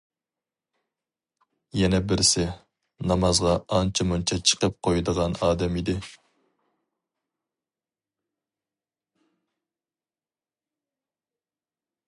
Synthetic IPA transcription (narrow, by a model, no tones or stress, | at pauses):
jɛnɛbɪɾsɪ | nɑmɑzʁɑɑnt͡ʃʰimunt͡ʃʰɑt͡ʃʰə̥qəp̚qʰojd̪əʁɑnɑːd̪ɛmid̪ɪ